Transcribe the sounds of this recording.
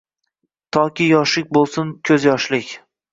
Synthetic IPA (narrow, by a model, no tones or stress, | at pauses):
t̪ʰɒkʲɪjɒʃɪk̚ʲbolˠsʊnkʲʰɵzjɒʃlɪkʲ